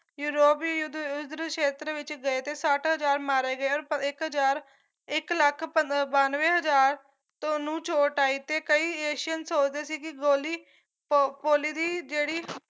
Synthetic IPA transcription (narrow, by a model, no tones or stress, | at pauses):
juːɾoːpːjʊd̪ʊd̪ɾʃeːt̪ɾəʋɪt͡ʃɡəeːt̪eːsəʈɦəzaːɾmaːɾeːɡəeːɔːɾɪkɦəd͡ʒaːɾ | ɪkləkʰəbaːnʋẽːɦəd͡ʒaːɾ | t̪õnũːt͡ʃoːʈaːiːt̪eːkəiːeːʃjənsoːt͡ʃd̪eːsiːkɪɡoːliː | poːliːd̪iːd͡ʒeːɽiː